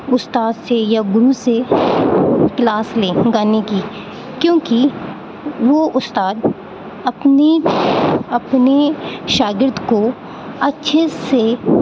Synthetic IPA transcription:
ʊst̪aːd̪sejaɡʊɾuse | klaːsleːɡaːneki | kjõːki | ʋoʔʊst̪aːd̪ | ɐpni | ɐpneʃaːɡɪɾd̪ko | ɐtːʃʰese

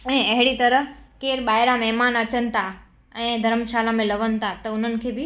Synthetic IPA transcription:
ɛ̃ːɐɦɪɽit̪ɐɾəɦkeːɾɓaːɪɾamɛɦmaːnɐt͡ɕənɪ̆t̪ʰa | ɛ̃ːd̪ʱɐɾmʃaːlãmẽlɐʋənɪ̆t̪ʰat̪ɐʊn̤ənɪ̆kʰeːbɪ

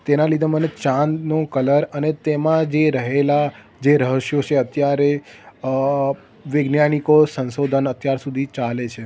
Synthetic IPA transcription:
t̪enãlid̪ʱemənet͡ʃãnnokələɾənet̪emãd͡ʒeɾəɦela | d͡ʒeɾəɦəʃjot͡ʃʰeət̪jaɾe | ʋɪɡnjanikosə̃nsod̪ʱənət̪jaɾsud̪ʱit͡ʃalet͡ʃʰe

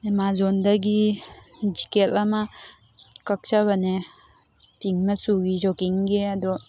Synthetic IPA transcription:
emazɔndaɡi | d͡ʒikelama | kɐk̚t͡ʃaβane | piŋmasuɡid͡ʒɔkiŋɡead̪ɔ

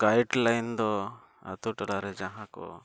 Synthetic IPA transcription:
ɡ̥ajɖlajnd̪ɔ | a̰t̪uʈalaɾɛd͡ʒaɦãkɔ̰

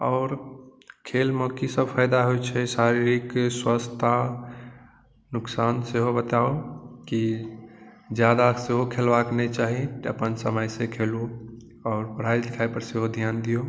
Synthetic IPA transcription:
ɔːɾkʰelməkisəbpʰajd̪aɦot͡ʃʰɛsaɾiɾikswəst̪ʰa | nʊksanseɦobət̪aoki | d͡ʒjad̪aseɦokʰelbaknɛt͡ʃaɦit̪əpənsəməjsekʰelu | ɔːɾpəɽ̤aid̪ekʰajpəɾseɦod̪ʱjand̪ijo

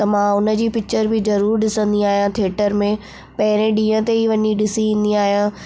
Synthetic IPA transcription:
t̪ɐmãʊnə̆d͡ʑiːpɪk̚t͡ɕəɾbɪzɐɾuːɾɗɪsə̃nd̪iaːɦijãt̪ʰeːʈəɾmẽ | pɐɦɪɾẽɗĩːə̃t̪eiʋɐɲiɗɪsiĩːnd̪iaːɦijã

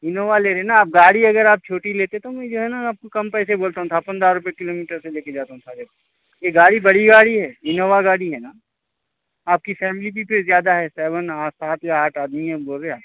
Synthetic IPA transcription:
ɪnoːʋaleːɾeenaːp̚ɡaːɽiɐɡəɾaːp̚t͡ʃʰoːʈileːt̪et̪omɛ̃d͡ʒoːɦɛnaaːp̚kokɐmpɛːseboːlt̪aɦũt̪ʰapɐ̃nd̪ɾaɾʊpekɪloːmiːʈəɾseleːked͡ʒaːt̪aɦũt̪ʰad͡ʒɐb | jeɡaːɽibɐɽiɡaːɽiɦɛːɪnoːʋaɡaːɽiɦɛːnaː | aːp̚kifɛːmɪlibʱipʰɪɾzjaːd̪aɦɛsɛːʋənaːsaːt̪jaaːʈaːd̪miɦɛ̃boːlɾeaː

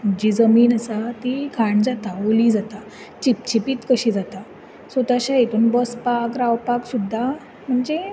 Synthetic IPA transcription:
m̤əɳd͡ʑid͡zəmiːnasat̪ikʰaɳd͡zat̪aoliːd͡zat̪a | t͡ɕip̚t͡ɕipiːt̪kəɕiːd͡zat̪a | sət̪aɕait̪uːnbɔspakɾawpaksud̪ʱːa | m̤əɳd͡ze

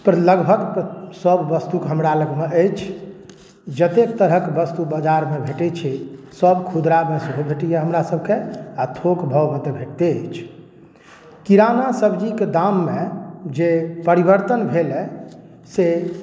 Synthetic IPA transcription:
pəɾləɡbʱəɡsəbːəst̪ukɦəmɾaləɡmeʔəjt͡ʃʰ | d͡ʒət̪ekt̪əɾɦəkbəst̪ubəd͡ʒaɾmebʱeʈɛt͡ʃʰɛsəbkʰud̪ɾamesuɡʱubʱeʈijeɦəmɾasəb̚ʱkeat̪ʰokbʱəwmẽt̪ebʱeʈt̪eəjt͡ʃʰ | kiɾanasəbd͡ʒiked̪amːed͡ʒepəɾibəɾt̪ənbʱelɛ | se

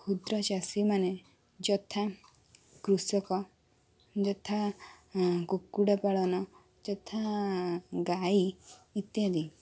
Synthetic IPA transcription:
kʰud̪ɾɔt͡ʃasimane | d͡ʒɔt̪ʰa | kɾusɔkɔ | d͡ʒɔt̪ʰa | kokːuɽapaɭɔnɔ | d͡ʒɔt̪ʰa | ɡaiːt̪jad̪i

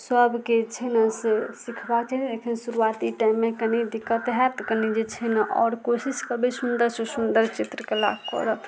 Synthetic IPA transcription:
səbket͡ʃʰɛnəsesikʰbakt͡ʃʰɛlekʰinsuɾuat̪iʈajmːekənid̪ikət̪ɦɛt̪kənid͡ʒet͡ʃʰɛnaʔɔ̰ːɾkosiskəbisund̪əɾsẽsund̪əɾt͡ʃit̪ɾəkela̰ɡkɔ̰ɾə

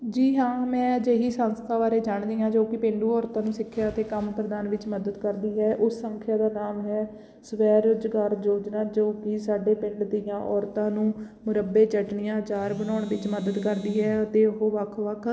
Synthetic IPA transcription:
d͡ʒiːɦãːmɛ̃ːd͡ʒeːɦiːsənst̪ʰaːʋaːɾeːd͡ʒaːɳd̪iːãːd͡ʒoːkɪpɪ̃ɳɖuːɔːɾt̪ãːnũːsɪkʰːjaːət̪eːkəmpɾəd̪aːnʋɪt͡ʃməd̪əd̪kəɾd̪iːɦɛːʔʊsːəŋkʰjaːd̪aːnaːmɦɛː | səʋɛːɾʊd͡ʒɡaːɾd͡ʒoːd͡ʒnãːd͡ʒoːkisaːɖeːpɪ̃ɳɖd̪ɪjãːʔɔːɾt̪ãːnũː | mʊɾəbeːt͡ʃəʈɳɪjãːt͡ʃaːɾbənɔːɳʋɪt͡ʃməd̪əd̪kəɾd̪iːɦɛːət̪eːʊɦoːʋəkʰʋəkʰ

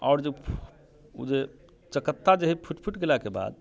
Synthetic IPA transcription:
aʊɾd͡ʒe | ṵd͡ʒe | t͡ʃəkət̪ːad͡ʒeɦipʰuʈpʰuʈɡelakeba̰d̪̚

